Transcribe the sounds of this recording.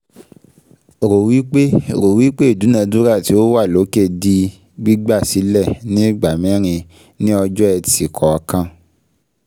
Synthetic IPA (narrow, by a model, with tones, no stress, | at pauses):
ɾo˨wi˦k͡pe˦ɾo˨wi˦k͡pe˦i˦˨du˨˦nã˧du˦ɾa˦˨ti˨˦o˦wa˦˨lo˨˦ke˦˨di˧ | ɡ͡bi˦ɡ͡ba˦˨si˨˦lɛ˦˨nĩ˦ɡ͡ba˨mĩ˨˦ɾ̃ĩ˧ | nĩ˦ɔ˧d͡ʒɔ˦ɛ˧ti˨kʰɔ˨a˧kã˦˨